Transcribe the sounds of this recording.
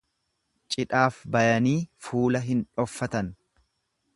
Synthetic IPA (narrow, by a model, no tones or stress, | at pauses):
t͡ʃʼɪᶑaːfbɐjɐniːfuːlɐɦɪnᶑɔfːɐt̪ɐn